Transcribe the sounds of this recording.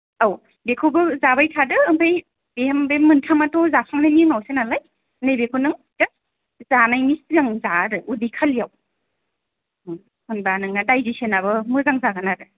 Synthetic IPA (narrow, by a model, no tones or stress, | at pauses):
aw | bekʰubɯzabajtʰadɯːmpʰaj | behembemɯntʰamatɔzapʰaŋnaniŋawsenalaj | nɯjbekʰunɯŋ | dɯ | zanajnisɯɡaŋzaɾɯudikʰalijaw | hɯnbanɯŋadajzisenabɯmɯzaŋzaɡanaɾɯ